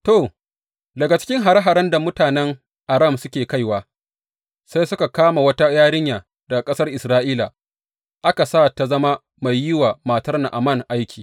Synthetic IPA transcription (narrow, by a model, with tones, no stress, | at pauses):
to˨ | dɐ˨ɡa˨t͡ʃɪ̥˦kʲɪ˦ŋɦa˨ɾa˦ɦa˨ɾɐ˦nda˨mʊ˦taː˨nɛ˦ŋ | ʔa˨ɾa˦˨msʊ˦kʲeː˨ka˦jwaː˨ | sa˦jsʊ˦ka˨kaː˦ma˨wɐ˦ta˦jaː˦ɽɪ˦ɲjaː˨ | dɐ˨ɡa˨kʼɐ˦sɐ˦rʔɪ˨sɾaː˦ʔiː˦la˨ | ʔa˦ka˨saː˦˨ta˨zɐ˦ma˦ | ma˨jːɪ˦waː˨maː˨tɐ˦rna˨ʔa˨mɐ˦˨ŋʔa˦jkʲiː˨